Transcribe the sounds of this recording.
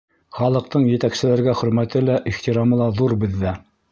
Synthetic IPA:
χɑlˠɤ̆q̚t̪ɤɴjɘ̆t̪æksɘ̆læɾɡæχɵ̆ɾmæt̪ɘlæʔiχt̪iɾɑmɤ̆lˠɑðuɾbɘ̆ðːæ

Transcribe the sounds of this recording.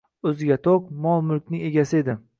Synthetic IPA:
ɵzɪɡʲat̪ʰoqmɒlˠmʊlkʲnɪŋʲe̞ɡʲasɪe̞d̪ɪ

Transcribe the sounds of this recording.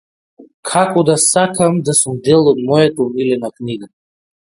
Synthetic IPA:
kʰakɔd̪asakʰamd̪asumd̪ɛlˠɔd̪mɔjat̪aumilɛnakniɡa

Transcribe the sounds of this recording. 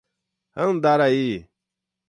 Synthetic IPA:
hənd̪aɾaji

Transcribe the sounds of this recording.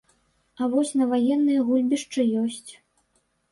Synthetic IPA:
ɐvɔsʲnɐvajɛnːɨjɐɣulʲbʲiʂt͡ʂɨjɔsʲt͡sʲ

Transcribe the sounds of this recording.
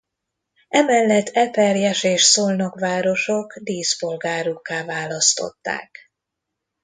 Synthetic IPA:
ɛmɛlːɛt̪ːɛpɛrjɛʃeːʃsoːlnokʋaːɾo̞ʃo̞kd̪iːspo̞lɡaːɾukːaːvaːlɒst̪o̞̰t̪ːa̰ːk

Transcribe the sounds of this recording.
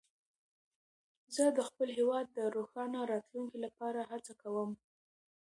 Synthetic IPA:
zəd̪əxpəlɦewɑd̪̚ːəɾoxɑnaɾɑt̪luŋkilapɑɾaɦat͡sakawəm

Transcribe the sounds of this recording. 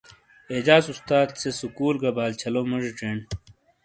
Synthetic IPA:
ed͡ʑaːsust̪aːd̪sesukuːlɡɐbaːlt͡ɕʰɐlomɐʐiʈ͡ʂeːɳ

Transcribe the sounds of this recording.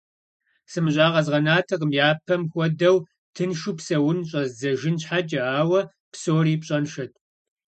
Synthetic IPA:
sɨmɨɕʼaːʁɐzʁɐnaːtʰɐqʼəmjaːpʰɐmxʷɔdɐw | tʰɨnʃupsɐwʊnɕʼɐzzɐʒɪnɕħad͡ʒʼɐaːwɐ | psoːriːpɕʼɐnʃɐtʰʼ

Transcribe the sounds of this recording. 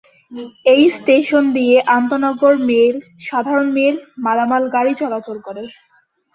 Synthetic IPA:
ejsʈeʃond̪ijeʔant̪onɔɡoɾmeɾʃad̪ʱaɾonmeɾmalamalɡaɽit͡ɕɔlat͡ɕolkoɾe

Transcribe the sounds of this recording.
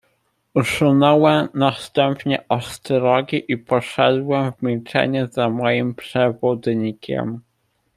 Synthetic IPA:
uʂɘnɔwɛmnast̪ɛmpɲɛʔɔst̪ɾɔɡʲiʔipɔʂɛd̪wɛmvmʲilt͡ʂɛ̰ɲɛzamɔjimpʂɛvud̪ɲikʲʰɛ̰m

